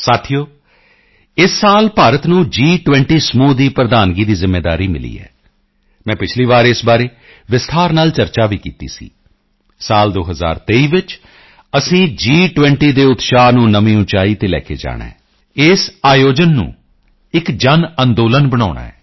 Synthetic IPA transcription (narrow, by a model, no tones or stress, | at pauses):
saːt̪ʰijoː | ɪsːaːlpaːɾət̪nũːd͡ʒiːʈʋɛ̃ɳʈiːsəmuːd̪iːpɾəd̪aːnɡiːd̪iːzɪmːeːd̪aːɾiːmɪ̰lḭːɛ̰ː | mɛ̃ːpɪt͡ʃʰliːʋaːɾeːɪsbaːɾeː | ʋɪst̪ʰaːɾnaːlt͡ʃəɾt͡ʃaːʋiːkiːt̪ḭːsḭː | saːld̪oːɦəza̰ːɾt̪eːiːʋɪt͡ʃ | əsĩːd͡ʒiːʈʋɛ̃ɳʈiːd̪eːʊt̪ʃaːnũːnəmĩːũt͡ʃaːiːt̪eːlɛ̰ːkʰḛːd͡ʒa̰ːɽã̰ː | ɪsaːjoːd͡ʒənːṵ̃ː | ɪkd͡ʒənə̃nd̪oːlənbəɽ̃aːʊɽa̰ːɛː